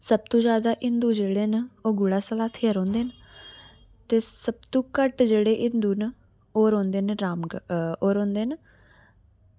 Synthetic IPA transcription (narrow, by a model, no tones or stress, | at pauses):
səb̚t̪õːd͡ʒjaːd̪aːʔɪnd̪uːd͡ʒeːɽeːnoːɡʊɽaːsəlaːt̪ʰeːəɾõːnd̪eːn | t̪eːsəb̚t̪ũːkəʈd͡ʒeːɽeːʔɪnd̪uːn | oːɾõːnd̪eːnɾaːmɡoːɾõːnd̪eːn